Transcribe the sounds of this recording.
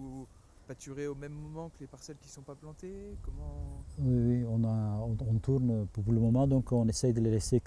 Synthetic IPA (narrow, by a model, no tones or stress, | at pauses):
u | pat̪yʁeomɛmːɔmɑ̃kəlepaʁsɛlkʲi̥sɔ̃paplɑ̃t̪ekɔmɑ̃wiwiɔ̃naɔ̃ɔ̃t̪uʁnpupuləmɔmɑ̃d̪ɔ̃kɔ̃nesɛjd̪əlelɛse